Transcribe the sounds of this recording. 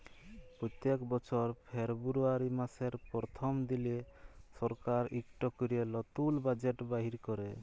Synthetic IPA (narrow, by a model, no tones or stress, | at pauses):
pɾɔt̪jekbɔt͡ʃʰɔɾpʰeɾbuɾuaɾimaseɾpɾɔt̪ʰɔmd̪ilesɔɾkaɾikʈɔkɔɾielɔt̪ulbad͡ʒeʈbaɦiɾkɔɾe